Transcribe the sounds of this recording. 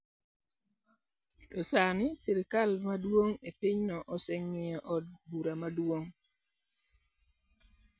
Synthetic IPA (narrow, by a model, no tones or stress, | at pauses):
tɔsanɪsɪɾɪkalmadwoŋepiɲnɔʔɔsɛŋɪɔʔɔd̚buɾamadwoŋ